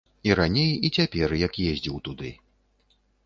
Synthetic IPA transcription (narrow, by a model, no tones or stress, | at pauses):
iɾanʲejit͡sʲapʲɛrjɐkjezʲd͡zʲiwt̪ud̪ɨ